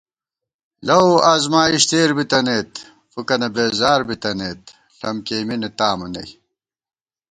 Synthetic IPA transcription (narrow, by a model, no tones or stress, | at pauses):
lɐwazmaːiɕt̪eːɾbit̪ɐneːt̪ | fukɐnɐbeːzaːɾbit̪ɐneːt̪̚ | ɬɐmkeːminet̪aːmɐnɐ̰j